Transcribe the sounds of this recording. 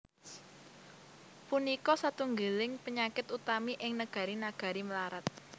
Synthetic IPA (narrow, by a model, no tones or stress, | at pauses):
punikɔsat̪uŋɡəlɪŋpəɲakɪt̪ut̪amiʔɪŋnəɡ̥a̤ɾinaɡ̥a̤ɾiməlaɾat̪̚